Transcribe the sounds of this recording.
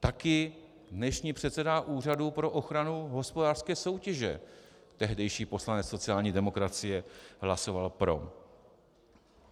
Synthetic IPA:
t̪akɪ | dnɛʃɲiːpr̥ɛt̪sɛdaʔuːr̝adupɾo̞ʔo̞xɾanuɦo̞spodaːr̥skɛːsowcɛʒɛ̰ | t̪ɛɦdɛjʃiːpo̞slanɛt͡sso̞t͡sɪaːlɲiːdɛmo̞kɾat͡sɪjɛɦlaso̞valpɾo̞̰

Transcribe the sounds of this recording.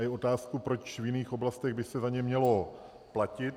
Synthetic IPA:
ɪʔo̞t̪aːskupɾo̞t͡ʃvjɪniːxʔo̞blast̪ɛɣbɪsɛzaɲɛmɲɛlo̞ | placɪt̪

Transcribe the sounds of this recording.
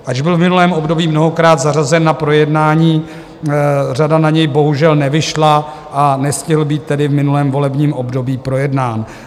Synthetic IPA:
ʔaʒbɪlvmɪnulɛːmʔo̞bdo̞biːmno̞ɦo̞kɾaːd̪zarazɛnːapɾo̞jɛdnaːɲiː | r̝adanaɲɛjbo̞ɦuʒɛlnɛvɪʃla | ʔanɛscɪɦl̩biːt̪ːɛdɪvmɪnulɛːmvo̞lɛbɲiːmʔo̞bdo̞biːpɾo̞jɛdnaːn

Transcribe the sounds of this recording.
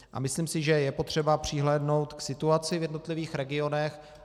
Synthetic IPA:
ʔa̰mɪsliːmsɪʒɛjɛpo̞t̪r̝̥ɛbapr̝̥ɪɦlɛːdno̞wt̪ksɪt̪uat͡sɪvjɛdno̞t̪lɪviːxɾɛɡɪo̞nɛx

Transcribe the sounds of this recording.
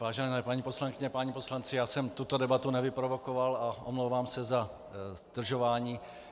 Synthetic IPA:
vaːʒɛnɛpaɲiːpo̞slaŋkɪɲɛpaɲipo̞slant͡sɪjaːsɛmt̪ut̪odɛbat̪unɛvɪpɾovokovalaʔomlowvaːmsɛza | zd̪r̩ʒovaːɲiː

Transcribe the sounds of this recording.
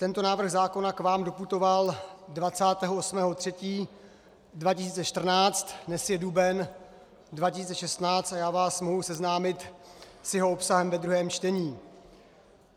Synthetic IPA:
t̪ɛnt̪o̞naːvr̩ɣzaːko̞nakvaːmdo̞put̪o̞valdvat͡saːt̪ɛːɦoʔosmɛːɦot̪r̝̥ɛciː | dvacɪsiːt͡sɛʃt̪r̩naːt͡st̪nɛsjɛdubɛn | dvacɪsiːt͡sɛʃɛst̪naːt͡st̪ajaːvaːsmoɦusɛznaːmɪt̪sjɛɦo̞opsaɦɛmvɛd̪ɾuɦɛːmt͡ʃt̪ɛɲiː

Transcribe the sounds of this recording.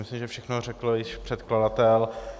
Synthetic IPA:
mɪslimʒɛfʃɛxnor̝ɛkl̩jɪʃpr̝̥ɛt̪kladat̪ɛl

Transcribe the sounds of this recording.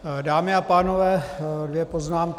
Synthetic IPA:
daːmɪapaːnovɛːdvjɛpo̞znaːmk

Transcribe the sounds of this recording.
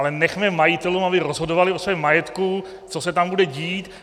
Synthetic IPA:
lɛnɛxmɛmajɪt̪ɛlumabɪɾozɦo̞dovalɪosvɛmːajɛt̪ku | t͡so̞sɛt̪ambudɛɟiːt̪

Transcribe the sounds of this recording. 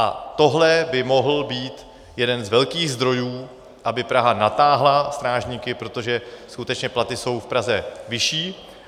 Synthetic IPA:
ʔa̰t̪o̞ɦlɛbɪmo̞ɦl̩biːt̪ | jɛdɛnzvɛlkiːɣzd̪ɾo̞juː | ʔabɪpɾaɦanat̪aːɦlast̪ɾaːʒɲiːkɪpɾo̞t̪o̞ʒɛskut̪ɛt͡ʃɲɛplat̪ɪso̞wfpɾazɛvɪʃiː

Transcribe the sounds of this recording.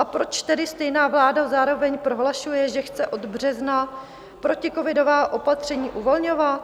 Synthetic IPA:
ʔapɾo̞t͡ʃt̪ɛdɪst̪ɛjnaːvlaːdozaːɾo̞vɛɲpɾo̞ɦlaʃujɛʒɛxt͡sɛʔo̞d̪br̝ɛzna | pɾo̞cɪko̞vɪdo̞vaːʔo̞pat̪r̝̥ɛɲiːʔuvo̞lɲo̞vat̪

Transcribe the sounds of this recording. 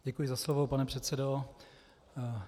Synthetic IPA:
ɟɛkujɪzaslovopanɛpr̥ɛt̪sɛdo

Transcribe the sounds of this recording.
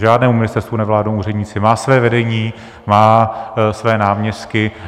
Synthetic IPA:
ʒaːdnɛːmumɲɪst̪ɛɾst̪vunɛvlaːdnowuːrɛdɲiːt͡sɪmaːsvɛːvɛdɛɲiː | maːsvɛːnaːmɲɛst̪kɪ

